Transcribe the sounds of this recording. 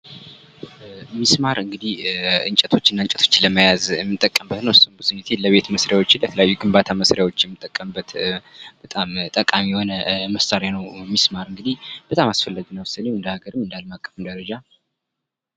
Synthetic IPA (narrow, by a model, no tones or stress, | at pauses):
mismaɾɨŋɡɨd̪ihɨ̰ɲt͡ʃʼət̪ʰo̞t͡ʃːɪnːaɨɲt͡ʃʼət̪ʰo̞t͡ʃːnləməjazjɛmːɨt̪ʼːəkʼːəmbət̪nəwɨsumbɨzɨɲːit̪ʰeləβe̞t̪məsɾjawo̞t͡ʃːɪnlət̪ʰələjajːuɡɨmbat̪ʰaməsɾjawo̞t͡ʃːjɛmːɨt̪ʼːəkʼːəmbːət̪b̥ət̪ʼamt̪ʼəkʼamijho̞nəməsaɾjanəwmismaɾɨŋɡɨd̪ihb̥ət̪ʼamasfəlːaɡnəwsanewɨnd̪əhaɡəɾɨmːɨnd̪almakʼːəfɨmd̪əɾəd͡ʒa